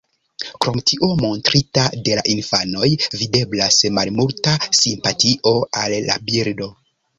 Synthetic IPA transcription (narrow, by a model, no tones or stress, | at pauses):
kɾo̞mtiʔo̞mo̞ntɾitade̞la̰ʔinfano̞jvide̞blasmalmultasimpatiʔo̞alːa̰biɾdo̞